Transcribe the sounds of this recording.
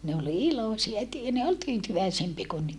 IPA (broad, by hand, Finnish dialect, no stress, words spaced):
ne ol ilosiɑ tyː ne ol tyːtyʋæisempie ku nyt